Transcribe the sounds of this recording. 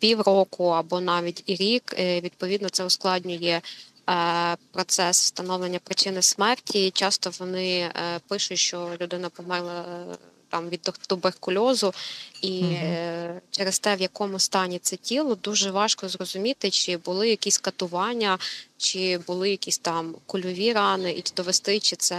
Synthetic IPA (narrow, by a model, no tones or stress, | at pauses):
pʲiwɾɔkʊɐbɔnɑʋʲitʲiɾʲikʋʲid̪̚pɔʋʲid̪nɔt̪sɛʊsklˠɑdʲnʲʊjɛ | pɾɔt̪sɛswst̪ɐnɔwlˠenʲːɐpɾɪt͡ʃɪnɪsmɛrtʲit͡ʃɑst̪ɔʋɔnɪpɪʃʊt͡ʃʲʃt͡ʃɔlʲʊd̪ɪnɐpɔmɛrlˠɐ | t̪ɑmʋʲid̪d̪̥ɔbekʊlʲɔzʊi | t͡ʃɛɾest̪ɛʋjɐkɔmʊst̪ɑnʲit̪sɛtʲilˠɔd̪uʒɛʋɑʃkɔzɾɔzʊmʲit̪ɪt͡ʃɪbʊlˠɪjɐkʲisʲkɐt̪ʊʋɑnʲːɐt͡ʃɪbʊlˠɪjɐkʲisʲt̪ɑmkʊlʲɔʋʲiɾɑnɪʔid̪ɔʋest̪ɪt͡ʃɪt̪sɛ